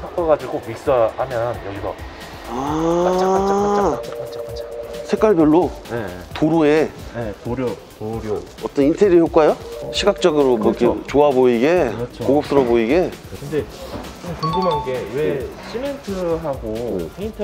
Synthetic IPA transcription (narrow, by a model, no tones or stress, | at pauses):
pʰak͈ʰaɡad͡ʑiɡomik̚s͈ahamjʌnjʌɡiɡa | a | sʰe̞kwaɭbjʌɭːotoɾuetɾ | ɾʌt͈ʌnintʰeɾihjok͈ajoɕʰiɡak̚t͡ɕ͈ʌɡɯɾomwʌikʰet͡ɕoaboiɡe̞t͡ɕʰkoɡʌp̚s͈ɯɾʌboiɡe̞kɯndeomkuŋɡɯmɦanɡeweɕʰimentʰɯɦaɡo